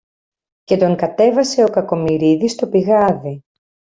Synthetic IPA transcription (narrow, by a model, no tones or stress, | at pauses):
ce̞t̪o̞ŋkɐt̪e̞vɐse̞o̞kɐko̞miɾiðist̪o̞piɣɐði